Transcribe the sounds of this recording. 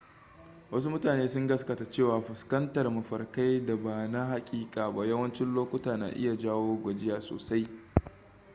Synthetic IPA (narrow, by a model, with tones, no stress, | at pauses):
wɐ˦s̬u˦mʊ˦taː˨neː˦sʊ˦ŋɡɐ˦skɐ˨ta˨t͡ʃeː˦˨waː˨ɸʊ˨skɐ˦ntɐ˨rmɐ˨ɸɐ˨rka˦jda˨baː˨na˦ha˨kʲʼiː˦kʼaː˨ba˦jɐ˦wɐ˦nt͡ʃɪ˦nloː˦kʷʊ˦taː˨na̰ː˨ʔɪ̰˦ja˨d͡ʒaː˦woː˦ɡʷɐ˨d͡ʒɪ˦jaː˨so̰ː˨sa˦j